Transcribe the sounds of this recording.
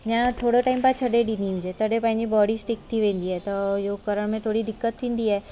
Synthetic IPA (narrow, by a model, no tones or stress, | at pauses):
mãt̪ʰoːɽaʈaːɪmpɐɾt͡ʃʰɐɖeɖiniɦũd͡ʒet̪ʰɐɖepãɪ̃nd͡ʒibɔːɽisʈɪkt̪ʰiʋẽːnd̪iɦɛːt̪ojoːɡkɐɾəɽmẽt̪ʰoːɽid̪ɪkːət̪ʰːĩːnd̪iɦɛː